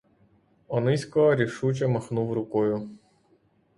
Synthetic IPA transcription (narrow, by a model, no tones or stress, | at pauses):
ɔnɪsʲkɔɦɔɾʲiʃut͡ʃɐmɐxnuwɾʊkɔjʊ